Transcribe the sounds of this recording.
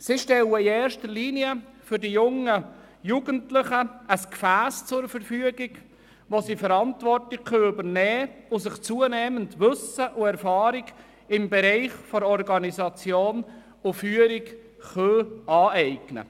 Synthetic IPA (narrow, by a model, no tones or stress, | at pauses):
siʃtɛləiɛːɾʃtəliːniə | fʏɾdijʊŋə | juːɡəntlɪχəəskfæːst͡sʊɾfəɾfyəɡiɡ | ʋosifəɾɑntvɔrtlɪçχøʏbəɾnɛːʊsɪχt͡suənɛːməndʋɵsəʔʊɛɾfɑːɾiɡ | ɪmbɛɾɛɪχfɔɾɔɾɡɑnizɑt͡sjoːn | ʊfyəɾik | χœːɑːɛɪɡnə̰